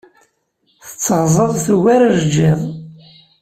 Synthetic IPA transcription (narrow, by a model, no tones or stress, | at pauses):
θə̥t͡sːəʁzˤəðˤθwaɾaʒd͡ʒːɪðˤ